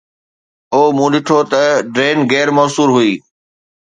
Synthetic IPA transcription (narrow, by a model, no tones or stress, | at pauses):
oːmũːɗɪʈʰot̪ɐɖɾeːnɡɛːɾmɐːsuːɾɦʊiː